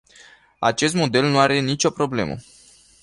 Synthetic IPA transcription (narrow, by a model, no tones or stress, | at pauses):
a̰t͡ʃe̞st̪mo̞d̪e̞lnuaɾe̞nit͡ʃo̞pɾo̞ble̞̰mə̰